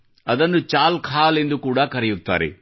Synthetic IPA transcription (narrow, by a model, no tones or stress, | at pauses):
ɐd̪ɐnːut͡ʃaːlkʰaːle̞nd̪ukuːɽaːkɐɾɐjut̪ːa̰ːɾḛ